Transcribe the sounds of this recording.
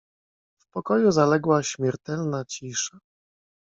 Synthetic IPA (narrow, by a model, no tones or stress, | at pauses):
fpɔkɔjuzalɛɡwaɕmʲjɛɾt̪ɛlnat͡ɕiʂa